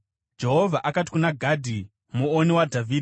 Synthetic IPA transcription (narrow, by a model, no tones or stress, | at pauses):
d͡ʒe̞ɦovʱaʔakati̥kunaɡʱadʱi | muoniwadʱavʱiːdʱi